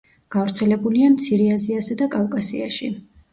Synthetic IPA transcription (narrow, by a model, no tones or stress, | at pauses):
ɡ̥avɾt̪sʰɛlɛbuliamt̪sʰiɾɛaziasad̪akʼavkʼasḭaʃi